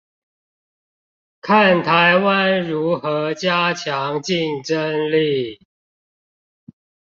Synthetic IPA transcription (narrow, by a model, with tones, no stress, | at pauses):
kʰa˥˨nt̪ʰa˨˦ɪwa˦nɻu˨˦˥xɤ˧˦t͡ɕja˦t͡ɕʰjɑ˨˦ŋt͡ɕi˥˨˩nʈ͡ʂə˦nli˥˨